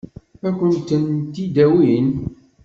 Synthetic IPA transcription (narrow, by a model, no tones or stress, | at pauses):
ækʷːənt̪ənt̪id̪æwin